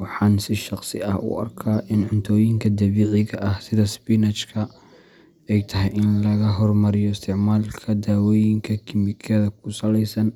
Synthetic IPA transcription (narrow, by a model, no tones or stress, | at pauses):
wɑħɑːnsɪʃɑqsɪ̰ʔɐhʊ̰ʔɐ̰rkʰaːʔɪnʕʊnt̪ʰɔːjɪŋkʰɐd̪ɐβiːʕɪɣɐʔɐhsɪðɐsbinɐt͡ʃkʰɐ | ɛjt̪ʰɐɦɛjʔɪnlɐɣɐɦɔrmɐɾɪjɔɪst̪ʰɪʕmaːlkʰɐd̪aːwɔːjɪŋkʰɐkʰɪmɪkʰɛːðɐkʰʊsɐlɛjsɐn